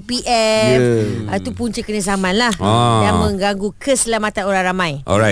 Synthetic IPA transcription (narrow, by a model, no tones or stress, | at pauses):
piʔɛfait̪upuɲt͡ʃəkəɲəs̬amãnlahjaŋmə̃ŋɡaŋɡukəsəlamat̪anoɾaŋɾamãjʔɔ̰a